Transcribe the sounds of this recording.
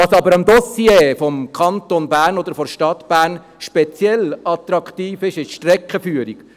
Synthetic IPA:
ɑːsɑbəɾɑmd̪ɔsjeːfɔmkʰɑnt̪onbæːɾnɔd̪əɾfɔɾʃtɑt̪b̥æːɾn | ʃpɛt͡sjɛlɑt̪ɾɑkt̪iːfɪʃɪʃʃtɾɛkχəfyːəɾik

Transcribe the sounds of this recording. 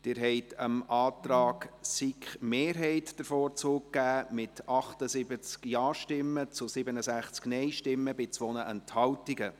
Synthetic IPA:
d̥ɪɾɦɛɪtʰəmɑːtɾɑːɡsikχmeːɾɦɛɪtd̥əɾfoːɾt͡suːkkːæːmɪtʰɑχtəzɪbət͡skjɑːʃtɪmːət͡sʊsɪbənəsæχt͡sknɛɪʃtɪmːəbɪt͡sʋɔnəʔɛnthɑwtiɡə

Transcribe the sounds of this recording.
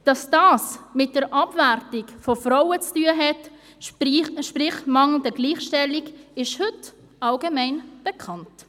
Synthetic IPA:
d̥ɑsd̥ɑːsmɪt̚d̥əɾʔɑbværtɪkfɔfrawət͡styəɦɛt | ʃpɾɪχmɑŋl̩dəɡliːχʃtɛliɡɪʃhʏt | ɑlɡəmɛɪnb̥ɛkʰχɑnt

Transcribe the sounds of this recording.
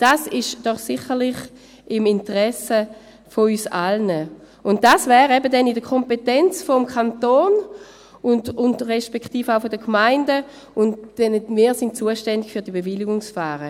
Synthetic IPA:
d̥aːsɪʃd̥ɔχsɪχəʁlɪχ | ɪmɪntəʁɛsə | foyːsa̰lnə | ʊnt̚d̥asvɛːʁɛbədɛnidəkʰɔmpetɛnt͡sfɔmkʰantoːn | ʊndʊndʁɛʃpɛkχtiːfaʊfodəkʰmaɪndə | ʊntd̥ɛnəmiːɐsɪnt̚t͡suːəʃtɛndɪɡ̥fyɐdibevɪliɡʊŋsfaːʁə

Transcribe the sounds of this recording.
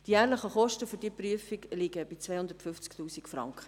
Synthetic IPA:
d̥ijæːɾləχəχɔʃtəfyɾd̥iːəpryəfiɡlɪɡəb̥it͡svɛɪhʊnd̪əɾtfʏft͡sktuːsikfrɑ̰ŋkχə̥

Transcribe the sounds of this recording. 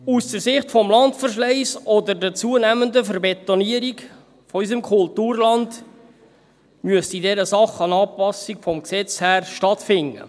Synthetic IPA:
usd̥əɾsɪχtfɔmlɑntfərʃlɛɪsɔd̪əɾdət͡suənæməndəfəɾbɛt̪ːɔniəɾik | fɔys̬əmkʰʊltuːrlɑnd | myəstidɛɾəsɑχɑnɑːpɑsikfɔmksɛt͡shæːrʃtɑtfɪŋːə̰

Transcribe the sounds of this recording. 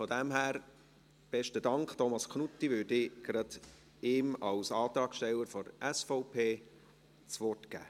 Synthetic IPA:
fɔd̪æmhæːɾ | b̥ɛʃtədɑŋkχt̪ɔmɑskʰnut̪ːiʋøːdɪɡ̥ɾɑd̪̥ | ɪmɑwsɑːt̪ɾɑːkʃtɛlːəɾfɔɾæsfɔʊpʰeː | t͡sʋɔtɡ̥æ̰ː

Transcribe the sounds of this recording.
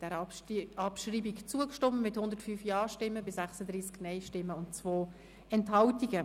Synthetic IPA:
d̥ɛɾɑpʃriːbikt͡suəkʃtɔməmɪthʊnd̪əɾtfyːfjɑːʃtɪmːəbɪsæχsədɾiːsknɛɪʃtɪmːəʊntt͡svoː | ɛnthɑltiɡə

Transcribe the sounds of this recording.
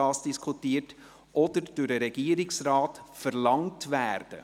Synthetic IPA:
ɑːsd̥iskʰutiːət | ʔɔd̥̪əɾd̥ʊdəɾɛɡ̥iːəɾɪksrɑːtfəɾlɑŋtʋæːɾd̥ə̰

